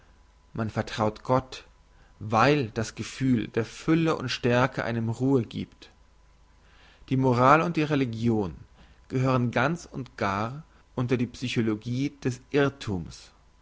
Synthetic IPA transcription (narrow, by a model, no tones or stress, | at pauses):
manfɛɐtʁ̥aʊtɡ̥ɔt | vaɪld̥asɡ̥əfyːld̥eːɐfʏləʔʊ̰ntʃtɛɐkəʔa̰ɪnəmʁuːəɡḭːpt | d̥iːmoʁaːlʊnt̚d̥iːʁeliɡjoːn | ɡ̥əhøːʁ̞ənɡant͡sʊntɡ̥aːʁ | ʔʊntɐdiːpsyçoloɡiːd̥ɛsʔɪɐtʰuːms